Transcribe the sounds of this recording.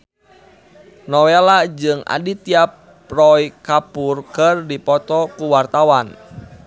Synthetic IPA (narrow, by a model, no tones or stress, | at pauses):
nɔwelad͡ʒɨŋa̰dit̪iap | rɔjkapurkərdipɔt̪ɔkuwart̪awan